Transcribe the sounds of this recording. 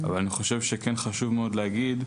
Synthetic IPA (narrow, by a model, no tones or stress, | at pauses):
a̰valaniχoʃe̞vʃekenχaʃuvmeo̞d̪leaɡid̪